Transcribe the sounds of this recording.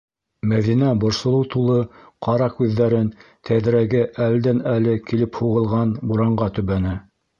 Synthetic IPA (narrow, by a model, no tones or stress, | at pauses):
mæðinæbŏɾsŏlˠɤwt̪ulˠɤ | qʰɑɾɑkʉðːæɾɘnt̪ʰæðɾæɡɘʔæld̪ænælɘkilɘphuʁɤ̆lˠʁɑnbuɾɑɴɢɑt̪ɵ̆βænæ